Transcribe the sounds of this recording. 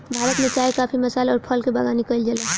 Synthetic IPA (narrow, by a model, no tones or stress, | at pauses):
bʱaːɾət̪mẽt͡ʃaːekaːpʰimɐsaːlɔːɾpʰəlkebaɡaːnikəɪld͡ʒəle